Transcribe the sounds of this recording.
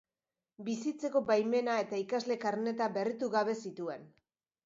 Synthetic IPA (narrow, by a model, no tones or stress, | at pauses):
bisit͡se̞ko̞bajme̞nae̞t̪aikazle̞kaɾne̞t̪abe̞rit̪uɣaβe̞sit̪ue̞n